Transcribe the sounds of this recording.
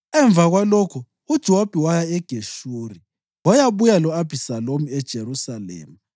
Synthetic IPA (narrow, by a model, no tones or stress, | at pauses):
ɛɱb̪vʱaɣwalokʰu | ud̥ʒ̥ʱɛwob̥ʱiwajaɛɡ̥ʱeʃuːri | wajaβujalɔab̥ʱisalomiɛd̥ʒ̥ʱeɾusalḛːmu